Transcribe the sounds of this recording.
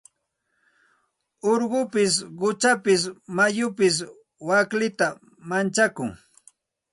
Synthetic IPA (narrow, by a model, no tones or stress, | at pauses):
oɾɢʊpɪsɢʊt͡ʃapɪs̬majʊpɪs̬ | waklɪt̪a | mant͡ʃakʊŋ